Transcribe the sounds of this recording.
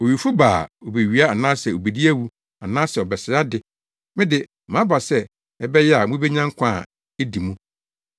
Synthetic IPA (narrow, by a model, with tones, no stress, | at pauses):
o˨ɥi˨fu˦baː˨o˨be˨ɥi˨˦a˦a˨nã˦sɛ˨o˨be˨di˦æ˦wu˦ | a˨nãː˦sɛ˨ɔ˨bɛ˨sɪ˨a˦dɪ˦ | mɪ̃˦dɪ˨ | mã˨˦ba˨sɛ˦ | ɛ˦bɛ˦jɛ˦a˨mũ˦be˦ɲã˦ŋ̩˦kʷʰã̰˦˨ | ɛ˦di˨mũ˦